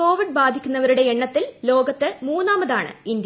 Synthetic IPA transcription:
ko̞ːʋiɖ̚baːd̪ʱikʲːunːɐʋɐɾuɽe̞eɳːɐt̪ːillo̞ːɡɐt̪ːɨmuːnːaːmɐðaːɳɨ̰ind̪j

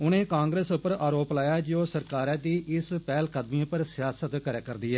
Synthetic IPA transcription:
ʊnẽːkãːŋɡɾeːsʊpːəɾaːɾoːplaːjaːd͡ʒoːsəɾkaːɾɛːd̪iːʔɪspɛːlkəd̪miãːpəɾsɪjaːsət̪kəɾaːkəɾd̪iːɛː

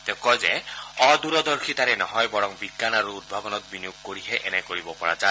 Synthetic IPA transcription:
t̪ekɔzeɔd̪uɾɔd̪ɔɹkʰit̪aɾɛnɔɦɔjbɔɹɔŋbiɡːanaɹuːd̪̚bʱabɔnɔt̪̚binijuɡ̚koɹiɦeʔɛnɛkoɹibɔpɔɹa̰d͡ʒa

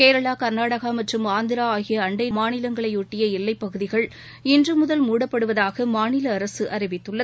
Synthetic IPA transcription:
keːɾɐɭaːkɐɾnaːɽɐɣamɐʈrɯmaːnd̪ɪɾaaːɣɪjɐːɳɖɐɪmaːnɪlɐŋɡɐɭɐɪʊʈːɪjɐɪlːɐɪpːɐɣɯðɪɣɐɭ | ɪndrɯmʊðɐlmuːɽɐpːɐɽɯʋɐðaːɣɐmaːnɪlɐːɾɐsɯʔɐrɪʋɪt̪ːɯɭːɐ

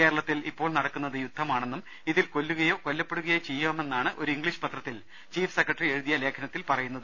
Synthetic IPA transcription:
eːɾɐɭɐt̪ːilipːo̞ːɭnɐɽɐkːunːɐðɨjud̪ʱːɐmaːɳe̞nːum | iðilko̞lːuɣɐjo̞ːko̞lːɐpːeɽuɣɐjot͡ɕe̞jːuaːme̞nːaːɳɨʔo̞ɾuiŋɡɭiɕɨ̥pɐt̪rɐt̪ːil | t͡ɕiːfʰɨ̥sekːɐʈrie̞ɻuðijɐle̞ːkʰɐnɐt̪ːilpɐrɐjunːɐðɨ

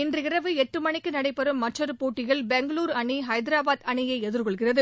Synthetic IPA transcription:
ɪndrɯɪrɐʋɯɛʈrɯmɐɳɪkːɯnɐɽɐɪpːɐɾɯmːɐʈt͡ʃːɐɾɯpoːʈːɪɣɐɭbɛŋɡɐɭuːɾɐɳiɦɐɪd̪ɾaːbaːðɐɳɪjɐɪɛðɯɾkɔɭɣɪrɐðɯ

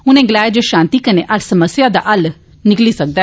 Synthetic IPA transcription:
ʊnẽːɡəlaːed͡ʒoːʃãːnt̪iːkəneːʔəɾsəməsjaːd̪aːʔəl | nɪkliːsək̚d̪aɛː

